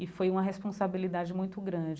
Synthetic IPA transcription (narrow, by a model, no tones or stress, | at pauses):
ɪfojũmɐɦespõsabilid̪ad͡ʒɪmũj̃t̪ʊɡɾɐ̃d͡ʒɪ